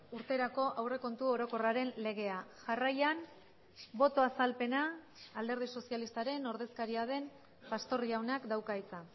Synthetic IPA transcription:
uɾt̪e̞ɾako̞ʔawre̞ko̞nt̪uo̞ɾo̞ko̞raɾe̞nle̞ɣ̞e̞aʝarajan | bo̞t̪o̞asalpe̞naː | ld̪e̞ɾð̞iso̞sialist̪aɾe̞no̞ɾðe̞skaɾiað̞e̞m | past̪o̞riawnakd̪awkajt͡sa

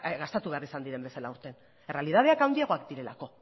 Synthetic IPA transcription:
ɣast̪at̪uβe̞arisand̪iɾe̞mbe̞salauɾt̪e̞n | e̞re̞alið̞að̞e̞akawniaɣo̞akd̪iɾe̞la̰ko̞

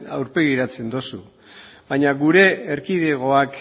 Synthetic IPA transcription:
a̰wɾpe̞ɣ̞iɾat͡se̞nd̪osu | bajɲaɣuɾe̞ːɾkiðe̞ɣ̞o̞ak

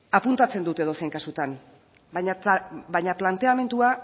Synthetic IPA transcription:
apunt̪at͡se̞nd̪ut̪e̞ðo̞seŋkasut̪an | ɲbajɲaplant̪e̞ame̞nt̪ua

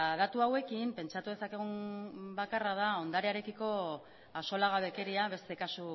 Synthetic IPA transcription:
ðat̪uawe̞kimpe̞nt͡ʃat̪uðe̞sake̞ɣ̞umbakarað̞ao̞nd̪aɾeaɾe̞kiko̞ | aso̞laɣaβe̞ke̞ɾiaβe̞st̪e̞kasu

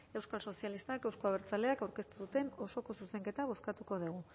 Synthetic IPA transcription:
e̞wskalso̞sialist̪ake̞wskoaβeɾt͡sale̞akawɾke̞st̪uðut̪e̞no̞so̞ko̞suse̞ŋke̞t̪aβ̞o̞skat̪uko̞ð̞eɣ̞u

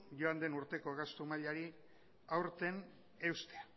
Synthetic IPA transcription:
ʝo̞and̪e̞nuɾt̪e̞koɣast̪umaʎaɾi | awɾt̪e̞n | e̞wst̪ea

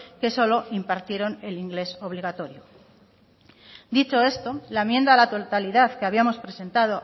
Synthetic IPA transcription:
ke̞so̞lo̞impaɾt̪je̞ɾo̞ne̞liŋɡle̞so̞βliɣ̞at̪o̞ɾjo | d̪it͡ʃo̞e̞st̪o̞laemjend̪alat̪ot̪aliðaθke̞aβiamo̞spɾe̞se̞nt̪að̞o̞

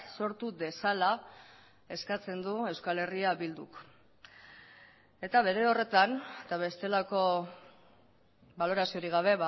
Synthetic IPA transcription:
so̞ɾt̪uðe̞sala | e̞skat͡se̞nd̪ue̞wskale̞riaβild̪uk | e̞t̪aβ̞e̞ɾe̞o̞re̞t̪ant̪aβe̞st̪e̞lako̞ | balo̞ɾasio̞ɾiɣ̞aβ̞e̞β

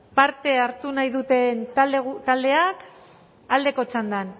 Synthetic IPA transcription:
paɾt̪e̞aɾt̪unajðut̪e̞nt̪at̪ald̪e̞ak | ald̪e̞ko̞t͡ʃand̪an

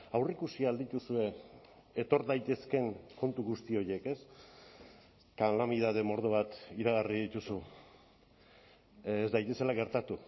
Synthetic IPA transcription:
awrikusiaːld̪it̪usue̞ | et̪o̞ɾðajt̪e̞ske̞ŋko̞nt̪uɣust̪io̞je̞ke̞s | kalamiðað̞e̞mo̞ɾð̞oβ̞at̪iɾaɣariðit̪usu | zd̪ajt̪e̞se̞laɣe̞ɾt̪at̪u

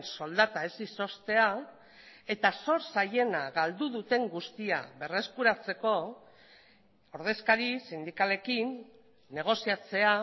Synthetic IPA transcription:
nso̞ld̪at̪aesiso̞st̪e̞a | e̞t̪aso̞ɾsaje̞naɣald̪uðut̪e̞ŋɡust̪ia̰βe̞re̞skuɾat͡se̞ko̞ | oɾð̞e̞skaɾisind̪ikale̞kinː | e̞ɣ̞o̞siat͡se̞a

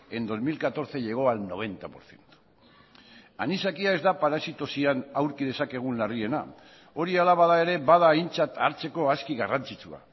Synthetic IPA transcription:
e̞nd̪o̞zmilkat̪o̞ɾθe̞ʝe̞ɣ̞o̞alno̞β̞e̞nt̪apo̞ɾθje̞nt̪o̥ | a̰nisakiae̞zd̪apaɾasit̪o̞sianawɾkið̞e̞sake̞ɣ̞unlarie̞na̰ | o̞ɾialaβaðae̞ɾe̞βað̞aint͡sat̪aɾt͡se̞ko̞askiɣarant͡sit͡sua̰

